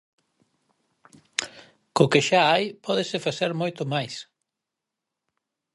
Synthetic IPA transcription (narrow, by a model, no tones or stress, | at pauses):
kʊkɪʃaajpɔðɪsɪfaθeɾmojt̪ʊmajs